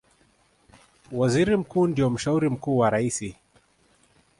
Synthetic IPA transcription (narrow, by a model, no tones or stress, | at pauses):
waziɾim̩kuːndiɔm̩ʃauɾim̩kuːwaɾaisi